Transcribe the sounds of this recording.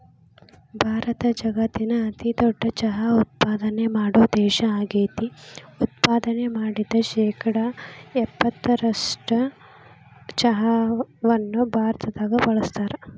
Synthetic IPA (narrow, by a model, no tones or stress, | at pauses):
bʱaːɾɐt̪ɐd͡ʒɐɡɐt̪ːinɐːt̪id̪ɔɖːɐt͡ʃɐɦɐut̪̚paːd̪ɐnemaːɽuːd̪ɛːʃɐaːɡeːt̪iut̪̚paːd̪ɐnemaːɽid̪ːɐʃɛːkʰɐɽɐɛbːɐt̪ːɐɾɐʂʈɐ | t͡ʃɐɦɐʋɐnːubʱaːɾt̪ɐd̪aːɡɐbɐɭɐst̪aːɾɐ